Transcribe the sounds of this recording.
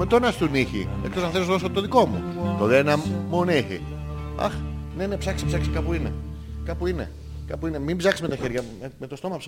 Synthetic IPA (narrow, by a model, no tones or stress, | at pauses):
met̪onɐst̪uniçḭ | e̞kt̪o̞sɐnθelosðos̬ot̪oðikomṵt̪oðenɐmuniçḭ | ɐ̰xnene̞psɐksi̥psɐksi̥kɐpuinḛ | kɐpuinḛ | kɐpuine̞mimbzɐksizme̞t̪ɐçeɾʝɐ | emet̪ost̪o̞mɐps